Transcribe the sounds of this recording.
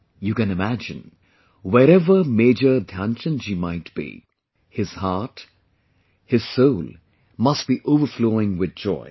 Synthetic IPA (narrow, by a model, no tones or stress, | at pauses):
jukɨ̃nɨmæd͡ʒɨ̰̃n | wɛɾɛvəmeːd͡ʒədʱãnt͡ʃə̃nd͡ʒimaɪtb̥ḭ | hɪz̥hat | hɪz̥soʊlˠ | mʌst̚b̥iʔoːvəfloːɪ̃ŋwɪð̚d͡ʒɔ̰ɪ